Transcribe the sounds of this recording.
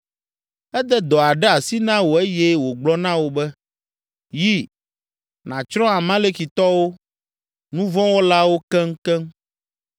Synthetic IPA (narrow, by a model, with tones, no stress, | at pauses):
ɛ˦d̪ɛ˦d̪ɔ˨a˨ɖɛ˦a˨si˦nã˦wo˨e˦jɛ˦wo˨ɡ͡blɔ˦nã˦wo˨bɛ˦ | ji˦ | nã˨t͡ʃɾɔ̃˦a˨mã˦le˦ki˨t̪ɔ˦wo˦ | nũ˦vɔ̃˦wɔ˦la˦wo˦kɛ˦ŋ˦kɛ˦ŋ